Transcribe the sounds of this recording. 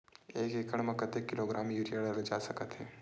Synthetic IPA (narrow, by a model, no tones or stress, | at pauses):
eːkekəɽ̃mɐkət̪ekːɪloːɡɾaːmjuːɾiəɽəɾld͡ʒaːsɐkət̪ɦɛː